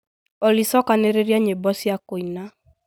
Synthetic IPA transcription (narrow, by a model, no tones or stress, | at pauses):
ɔlisɔkaneɾeɾjaɲebɔsiakoina